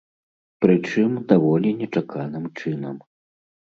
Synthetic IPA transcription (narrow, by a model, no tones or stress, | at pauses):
pɾɨt͡ʂɨmd̪avɔlʲinʲɛt͡ʂakʰanɨmt͡ʂɨnɐm